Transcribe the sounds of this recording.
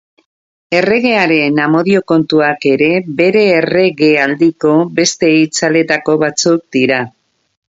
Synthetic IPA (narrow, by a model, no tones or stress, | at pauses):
e̞re̞ɣe̞aɾe̞namo̞ðio̞ko̞nt̪uake̞ɾe̞be̞ɾe̞ːre̞ɣe̞ald̪iko̞be̞st̪e̞it͡sale̞t̪ako̞βat͡suk̚d̪iɾa